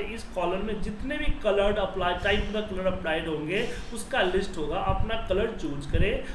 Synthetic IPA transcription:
ɪskɔːləɾmẽd͡ʒɪt̪nebʱikɐləɾɖɐplaːɪʈaːɪpd̪akɐləɾɖɐplaːɪɖɦõːŋɡe | ʊskalɪsʈɦoːɡaʔɐpnakɐləɽt͡ʃoːd͡ʒkɐɾẽː

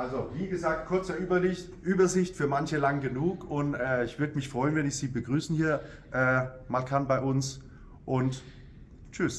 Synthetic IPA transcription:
ʔalzoviːɡəzaːk̚t̚kʰʊɐt͡sɐbɐ | ʔyːbɐzɪçtfyːɐmançəlaŋɡənuːkʊntʔɛːɪçv̥ʏɐdəmɪçfʁ̥ɔʏənvɛnɪçz̥iːbəɡʁyːsn̩hiːɐ | ʔɛːmalkʰanbaɪʔʊns | ʔʊnt | t͡ʃʏs

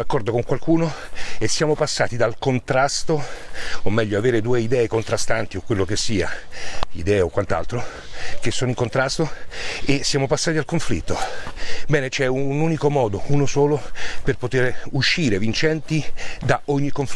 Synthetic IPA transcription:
akːɔrd̪okoŋkwalkuːnoesːjaːmopasːa̰ːt̪id̪alkont̪ɾast̪oomːɛʎːoaveːɾed̪uːeid̪ɛːekont̪ɾast̪ant̪iokːwelːokesːiːa̰ḭd̪ɛːaokwant̪a̰lt̪ɾo | k̟esːoːnoiŋkont̪ɾast̪oesːjaːmopasːaːt̪id̪alkoɱflḭt̪ːobɛːnet͡ʃɛunuːnikomɔːd̪ounosoːloperpot̪eɾuʃːiːɾevint͡ʃɛnt̪id̪aʔoɲːikoɱf

